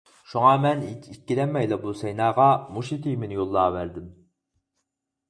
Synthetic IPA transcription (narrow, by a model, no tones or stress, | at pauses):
ʃuŋɑmɛniikʲːilɛmːɛjlˠɛbusɛjnɑːʁɑmuʃit̪ʰijmɪnɪjolˠːɑːvæɾd̪ɪm